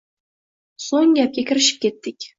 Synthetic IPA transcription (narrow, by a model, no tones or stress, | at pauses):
soŋjʲæp̚kʲekʲɘ̆rɘɕɘ̥p̚ʲkʲet̪ʲːɘkʲ